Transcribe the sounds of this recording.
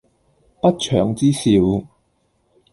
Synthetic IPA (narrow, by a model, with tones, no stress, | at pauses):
pɐ˥t̚t͡ʃʰœ̰ː˨˧ŋt͡siː˥siː˧w